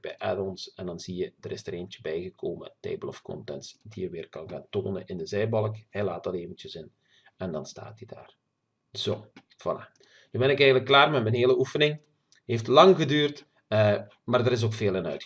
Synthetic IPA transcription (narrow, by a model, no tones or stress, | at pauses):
b̥ɛjʔɛ̰dɔnsɛndɑnz̥ijəd̥ərɪsd̥əreːvəntjə̥bɛjɣəkʰoːmə̰tɛ̰ːbəlɔfkɔ̰ntɛntsdijəʋɪːrkɑnɣaːnto̰ːnə̰ʔɪndəzɛjbɑlˠkhɛjlaːtɑleːvəntjəzɪn | ɛndɑnsta̰ːt̚dida̰ːr | z̥oː | v̥ɑla | nybɛnɪkɛjɣənləkːlaːrmɛtmɛnɦeːləufənɪŋ | ɦeftlɑŋɣədyːrtː | maːrdəɾɪs̬oːkfeːlˠənœ̰ɥt